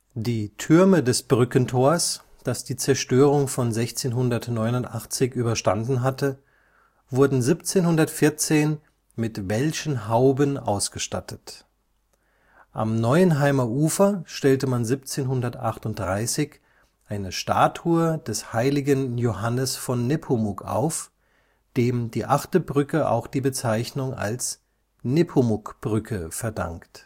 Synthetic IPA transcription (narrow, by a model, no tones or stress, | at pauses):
d̥iːtʰʏɐmədɛsb̥ʁʏkəntʰoːɐs | d̥asd̥iːt͡sɛɐʃtøːʁ̞ʊŋfɔnzɛçt͡seːnɦʊndɐtnɔʏnʊntʔaχt͡sɪçʔyːbɐʃtandn̩ɦatə | v̥ʊɐdn̩zipt͡seːnhʊndɐtfɪɐt͡seːn | mɪtvɛlçən̩ɦaʊbənʔa̰ʊsɡ̥əʃta̰tʰət | ʔa̰mnɔʏənɦaɪmɐʔuːfɐʃtɛltəmanzip̚t͡seːnɦʊndɐtʔaχtʊnt̚d̥ʁaɪsɪç | ʔaɪnəʃta̰ːtʰuːɐdɛshaɪlɪɡənjohanəsfɔnːepʰomʊkʰʔa̰ʊf | d̥eːmdiːʔaχtəbʁʏkəʔa̰ʊxd̥iːbət͡saɪçnʊŋa̰ls | nepʰomʊkb̥ʁʏkʰəfɛɐda̰ŋkt